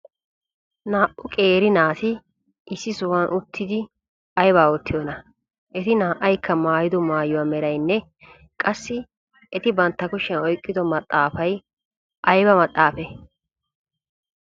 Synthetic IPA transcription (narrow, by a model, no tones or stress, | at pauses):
naːʔʊkʼeːɾɪnaːt̪ɪ | ʔɪsːɪsʊwɐnʔʊt̪ʰːɪd̪ɪ | ɐjbaːɔt̪ːɪjonɐ | ʔɛt̪ɪnaːʔɐjkʰːɐmaːjɪd̪ɔmaːjʊwaːmɛɾɐjnːɛ | kʼɐsːɪ | ʔɛt̪ɪbɐnt̪ːɐkʊʃːɛnɔjkʼːɪd̪ɔmɐt̪ʼːaːfɐj | ʔɐjbɐmɐt̪ʼːaːfɛ